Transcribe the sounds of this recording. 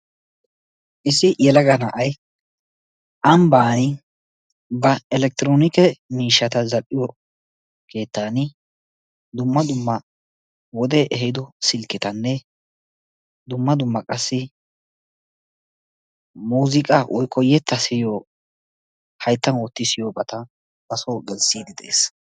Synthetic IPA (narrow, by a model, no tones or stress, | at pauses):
ʔɪsɪjɛlɐɡɐnɐʔɐj | ʔɐmbaːnɪ | bɐɛlɛk̚t̪ɪɾoːnɪkɛmiːʃːɐt̪ɐzɐʔʼɪjɔ | kʰe̞ːt̪ːaːnɪ | d̪ʊmːɐd̪ʊmːɐ | wɔd̪ɛʔɛɦɪd̪ɔsɪlkːɪt̪ɐnːɛ | d̪ʊmːɐd̪ʊmːɐkʼɐsːɪ | muːzɪkʼɐwʔɔjkʰːɔjːɛt̪ːɐsɪjoː | hɐjt̪ːɐnwɔt̪ːɪsɪjobɐt̪ɐ | bɐsoːɡɛlsiːd̪ɪd̪ḛːs